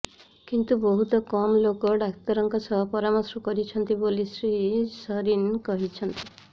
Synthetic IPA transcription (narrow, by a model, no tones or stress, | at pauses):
kint̪ubɔɦut̪ɔkɔmlokɔɖakt̪ɔɾɔŋkɔsɔɦɔpɔɾamɔsɾɔkɔɾit͡ʃʰɔnt̪ibolisɾisɔɾinkɔɦit͡ʃʰɔnt̪i̥